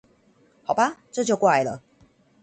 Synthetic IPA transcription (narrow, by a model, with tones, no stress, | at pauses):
ha˨˩ʊba˦ʈ͡ʂɤ˥˧t͡ɕjo˥˧ʊkwa˥˩ɪlə̰˨˩